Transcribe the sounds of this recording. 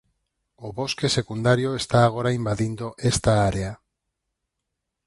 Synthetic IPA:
oβoskesekund̪aɾjoest̪aːɣ̞oɾaimbaðind̪oʔest̪aaɾea

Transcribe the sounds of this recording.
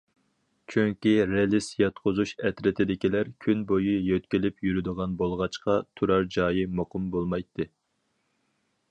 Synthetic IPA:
t͡ʃʰyŋkʲiɾelˠɪsjɑt̪̚qʰʊzuʃɛt̪ɾɪt̪ʰɪd̪ɪkʲilæɾkʲʰynbojijøt̪kʲilɪpjyɾyd̪əʁɑnbolˠʁɑt͡ʃqɑt̪ʰuɾɑɾd͡ʒɑːjimoqʊmbolˠmɑjt̪ːɨ

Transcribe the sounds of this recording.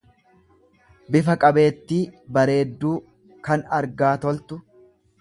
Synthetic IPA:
bɪfɐkʼɐbe̞ːt̪ːiːbɐɾe̞ːd̪ːuː | kɐnɐɾɡaːt̪ɔlt̪ʊ

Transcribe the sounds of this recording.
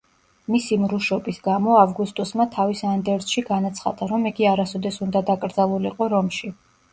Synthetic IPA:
misimɾuʃɔbisɡamɔavɡust̪ʼɔsmat̪ʰavisand̪ɛɾsʃiɡanat̪sʰχa̰d̪aɾɔmiɡiaɾasɔd̪ɛsund̪ad̪akʼɾd̪zalˠulḭqʼɔɾɔmʃi

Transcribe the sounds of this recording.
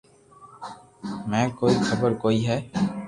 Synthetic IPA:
mɛ̃ːkoːixʰɐbəɾkoːiɦɛː

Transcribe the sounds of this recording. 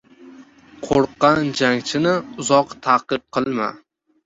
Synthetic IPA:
qʰoɾqːɑnd͡ʒaŋt͡ʃʰɪnɪʊzɒqt̪ʰaqɨp̚qʰɨlˠma̰

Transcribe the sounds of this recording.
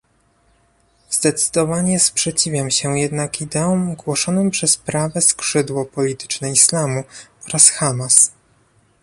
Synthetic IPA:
z̥d̪ɛt̪sɘ̥d̪ɔvaɲɛspʂɛt͡ɕivʲjamɕɛjɛd̪nakid̪ɛumɡwɔʂɔnɘmpʂɛspɾavɛskʂɘd̪wɔpɔlʲit̪ɘ̥t͡ʂnɛislamuɔɾasxamas

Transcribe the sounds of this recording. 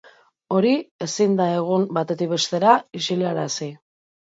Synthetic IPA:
o̞ɾie̞sind̪ae̞ɣ̞umbat̪e̞t̪ik̚βe̞st̪e̞ɾaisiliaɾasi

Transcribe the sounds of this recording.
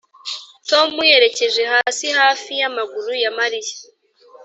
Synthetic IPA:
to̞muje̞ɾe̞ce̞ʒe̞haːsihaːfijamaɡuɾujamaɾije̥

